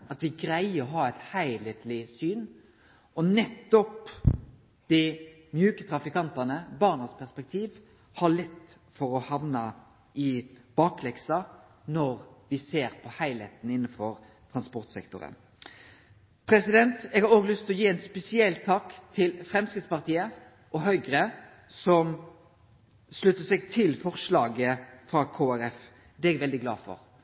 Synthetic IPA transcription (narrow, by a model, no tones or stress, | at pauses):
ɑt̪ʋɪɡɾæɪəɔɦɑːæɪt̪hæɪlɛt̪lɪsyːn | ɔnɛt̪ːɔp | d̪̥ɪ | mjʉːkət̪ʰɾɑfɪkɑnt̪ɑnəbɑːʁnəspʰæʁspɛk̚t̪ʰiːʋ | hɑɭɛt̪ː | fɔɾɔhɑʋnɑ | ɪb̥ɑːklɛksɑ | nɔɾʋɪseːɾpʰɔhæɪlheːt̪n̩ɪnːəfɔɾ | t̪ʰɾɑnspɔʁt̪sɛ̰kt̪ʊ̰ɾə̰n | pʰɾɛsɪd̪ɛnt̪ɛːɡhɑɾoːɡlʏst̪ʰɔjiːɛnspɛsɪɛlt̪ʰːɑːkt̪ʰɪlfɾɛmskɾɪt̪spɑʁt̪ʰiːə | ʔɔɦœʏɡɾə | sɔm | slʉt̪ːəsɛɡ̚t̪ʰɪlfɔʁʂlɑːɡəfɾɑkʰoːæɾɛf | d̪ɛɛɡʋɛld̪ɪɡlɑ̰ːfɔ̰ɾ